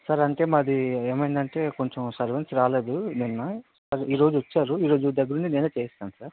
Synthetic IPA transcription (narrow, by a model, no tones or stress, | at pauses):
saːɾɐɳʈe̞ːmɐd̪ieːmɐjind̪ɐɳʈe̞ːko̞ɲt͡ʃemsɐɾʋɐnsɾaːle̞ːd̪uninːɐssaːɾiːɾo̞ːd͡ʒuʋɐt͡ʃːaːɾuiːɾo̞ːd͡ʒud̪ɐɡːɐɾunt͡ʃineːnut͡ʃeːst̪aːnusaːɾ